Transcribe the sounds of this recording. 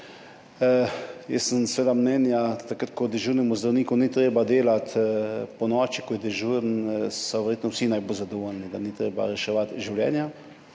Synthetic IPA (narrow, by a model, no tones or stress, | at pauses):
jəssənsʋeːd̪amnɛːnjat̪akɾət̪̚kɔd̪ɛʒuɾnimuzd̪ɾawniːkɔnit̪ɾeːbad̪eːlat̪pɔnɔːt͡ʃikɔjɛd̪ɛʒuɾnsaʋɛɾjeːt̪nɔwsinajbozad̪ɔʋolnid̪anit̪ɾḛːba̰ɾɛʃɛʋat̪ʒiwljɛ̰ːnja